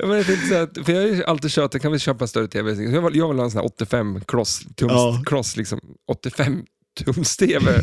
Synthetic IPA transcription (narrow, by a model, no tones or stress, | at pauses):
ja̰mɛnɛt̪ɪnt̪əsɛːt̪fəjɑːaʔalt̪iːd̪ɕøːʈ̪əkʰanvɪɕøːpaɛnst̪œɾːət̪ʰeːvɛsɪsɔjɑaljɑːvalaːnsɔæ̰ʔɔt̪ːɪfɛmːkʰlɔst̪ʰʊmkʰlɔslɪksɔ̰mʔɔt̪ːɪfɛmː | t̪ʰʊmst̪ʰeːvɛ